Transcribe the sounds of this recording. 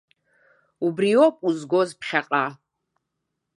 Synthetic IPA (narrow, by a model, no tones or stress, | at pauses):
ubriopʼuzɡozpʰχʲaqʼa